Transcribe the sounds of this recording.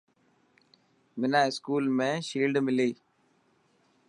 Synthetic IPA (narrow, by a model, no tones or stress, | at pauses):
mɪnaːɪskuːlmẽːʃiːlɖmɪliː